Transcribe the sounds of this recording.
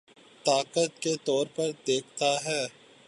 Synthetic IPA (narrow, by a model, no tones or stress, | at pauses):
t̪aːqət̪ket̪ɔːɾpɐɾd̪eːkʰt̪aɦɛː